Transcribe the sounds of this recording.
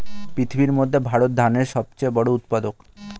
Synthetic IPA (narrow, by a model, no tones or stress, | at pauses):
pɾit̪ʰibiɾmod̪ʱːebʱaɾot̪̚d̪ʱaneɾʃɔb̚t͡ɕebɔɽout̪pad̪ok